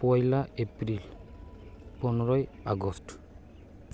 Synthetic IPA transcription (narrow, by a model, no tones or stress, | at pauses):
pɔjlaepɹil | pɔnɔɹɔjaɡɔst